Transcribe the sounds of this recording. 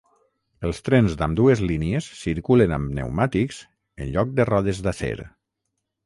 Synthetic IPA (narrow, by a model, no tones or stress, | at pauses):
əlˠst̪ɾɛnzd̪amd̪uezliniesːiɾkulenamnḛwmat̪ikz̥ | ənʎɔk̚d̪ərɔðezðasḛɾ